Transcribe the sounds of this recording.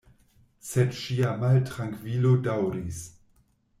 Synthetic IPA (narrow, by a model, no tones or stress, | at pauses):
sedʃiamaltɾaŋkvilodawɾis